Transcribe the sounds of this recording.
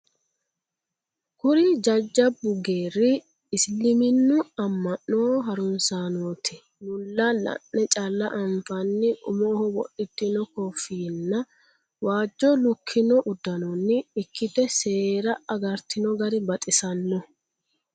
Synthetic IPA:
kʊɾɪd͡ʒɐd͡ʒːɐbːʊɡe̞ːrːɪː | slːɪmɪnːʊɐmːɐnːoːɦɐɾʊnsaːnoːt̪ɪ | nʊlːɐlɐ̰nːɛt͡ʃʼɐlːɐʔɐɱfɐnːɪʔʊ̰moːhɔwɔ̰ɗːɪt̪ːɪnɔkɔfiːnːɐ | waːd͡ʒːɔlʊkʰːɪnɔʔʊd̪ːɐnɔnːɪːkʰːɪt̪ɛseːɾɐɐɡɐɾt̪ɪnɔɡɐɾɪbɐt̪ʼɪsɐnːɔ

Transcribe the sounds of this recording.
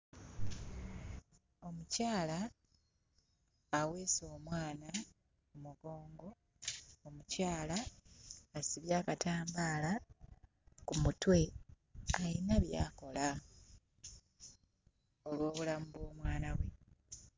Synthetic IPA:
o̞mucaːla | we̞ːso̞ːmwaːna | kumuɡo̞ːŋɡo̞ | omucaːlaː | siβjaːkataːmbaːla | kumutwe̞ | ainaβja̰ːko̞la | o̞lwo̞ːβulamuβo̞ːmwaːnaβwe̞

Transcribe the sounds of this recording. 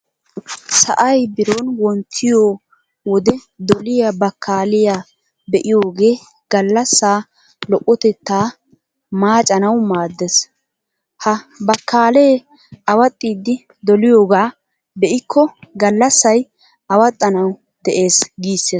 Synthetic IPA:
sɐ̰ʔɐjbɪɾoːnwɔnt̪ʰːɪjoː | wɔd̪ɛ | d̪ɔlɪjabɐkʰːaːlɪja | bɛʔɪjoːɡe̞ː | ɡ̥ɐlːɐsːaː | lɔʔʼːɔt̪ɛt̪ːaː | maːt͡ʃʼɐnɐwmaːd̪ːes | hɐbɐkːaːlejː | ʔɐwɐt̪ʼːiːd̪ːɪ | d̪ɔlɪjoːɡaː | bɛʔɪkʰːɔɡɐlːɐsːɐj | ʔɐwɐt̪ʼːɐnɐw | d̪̥ɛʔe̞ːsɡiːsːeː

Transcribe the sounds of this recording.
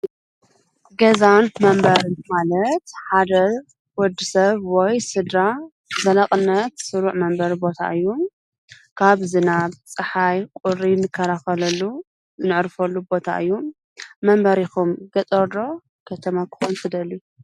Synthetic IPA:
ɡɐzanmɐmbɐɾɨnmalɐt̪ħad̪ɐ | wɔd̪ːisɐβwɔjsɨd̪ɾa | zɐlɐχʼɨnːɐt̪sɨɾuʕmɐmbɐɾbo̞t̪ʰa̰ʔɨjːu | kʰaβzɨnaβt͡sʼɨħajkʼʊɾinɨkʰːɐɾaxɐlɐlːu | zɨnɨʕɾfɐlːubo̞t̪ʰa̰ʔɨjːu | mɐmbɐɾixumɡɐt̪ʼɐɾd̪o̞ | kʰɐt̪ʰɐmakʰɨ̥xont̪ʰɨd̪ɐlːu

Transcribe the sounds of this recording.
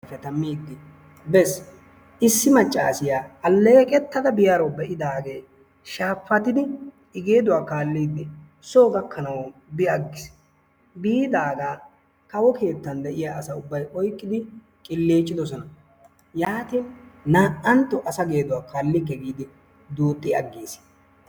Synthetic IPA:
fɛt̪ɐmːiːd̪ːɪ | bɛs | ʔɪsːɪmɐt͡ʃʼːa̰ːsɪjaːɐlːɛkʼɛt̪ːɐd̪ɐbɪjaːɾɐwbɛʔɪd̪aːɡeː | ʃaːfːɐt̪ɪd̪ɪ | ɪɡe̞ːd̪ʊwaːkaːlːiːd̪ːɪ | soːɡɐkːɐnɐwbɪjɐɡːɪs | biːd̪aːɡaː | kɐwɔke̞ːt̪ːɐnd̪ɛʔɪjaːʔɐsɐʊbːɐjʔɔjkʼːɪd̪ɪ | kʼɪlːeːt͡ʃʼːɪd̪ɔsɔnɐ | jaːt̪iːnnaːʔɐnt̪ːɔʔɐsɐɡe̞ːd̪ʊwaːkʰaːlːɪkːɛɡiːd̪ɪ | d̪uːt̪ʼːɪɐɡːiːs

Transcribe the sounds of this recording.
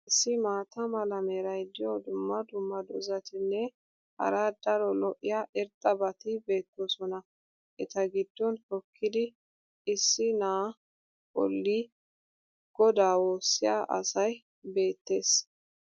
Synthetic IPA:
ɪsːɪmaːt̪ɐmɐlɐmeːɾɐjd̪ɪjɔd̪ʊmːɐd̪ʊmːɐd̪ɔzɐt̪ɪnːɛ | hɐ̰ɾaːd̪̥ɐɾɔlɔʔɪjaʔɛɾt̪ʼːɐbɐt̪ɪbe̞ːt̪ːɔsɔnɐ | ʔɛt̪ɐɡɪd̪ːɔnkɔkʰːɪd̪ɪ | ɪsːɪnaː | ɔ̰lːi | ɡ̥ɔd̪aːwoːsːɪja̰ːʔɐ̰sɐj | be̞ːt̪ːe̞ːs

